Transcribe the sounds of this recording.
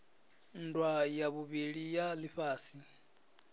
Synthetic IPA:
ndwajaβuβiɺijaliɸaːsi

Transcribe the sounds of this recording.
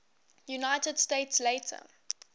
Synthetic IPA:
junaɪtəd̥steɪtsleɪtʰə̰

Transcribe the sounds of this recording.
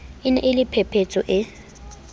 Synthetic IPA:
ɪnɛ̰ʔɪlɪpʰɛpʰet͡sʼɔʔɪ

